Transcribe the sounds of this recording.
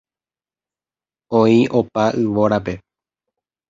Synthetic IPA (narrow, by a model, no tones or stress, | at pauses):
õĩʔo̞paʔɨʋo̞ɾape̞